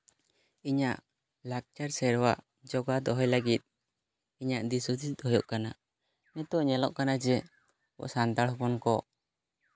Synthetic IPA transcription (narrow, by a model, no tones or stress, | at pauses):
iɲaʔ | lak̚t͡ʃaɾsɛɾwaʔ | d͡ʒɔɡad̪ɔɦɔjlaɡit̪̚ | iɲaʔd̪isut̪id̪ɔɦɔjɔʔkana | nɛt̪ɔʔɲɛlɔʔkanad͡ʒɛ | bɔ̰ʔsant̪aɽhɔpɔnkɔ